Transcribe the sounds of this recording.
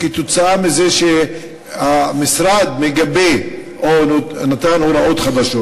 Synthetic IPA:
kit̪ot͡saamizeʃe | hamisɾad̪meɡabe | onnat̪anhoɾaʔo̞t̪χad̪aʃo

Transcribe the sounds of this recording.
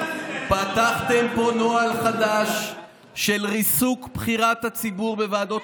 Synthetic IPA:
pat̪aχt̪empo̞no̞alχad̪aʃː | e̞lʁisukbχiʁat̪hat͡sibuʁbe̞vaːd̪o̞

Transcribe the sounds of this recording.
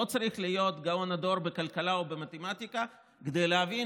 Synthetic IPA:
ot͡saɾiχlijo̞t̪ɡaonad̪o̞ɾbekalkalaobe̞mat̪emat̪ika | ked̪ejleavi

